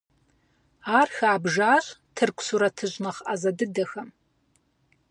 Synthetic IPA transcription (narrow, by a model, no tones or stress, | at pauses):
aːrxaːbʒaːɕtʰɨrkʷʰʼsuɾɐtʰɨʑnɐχazɐdɨdɐxɐm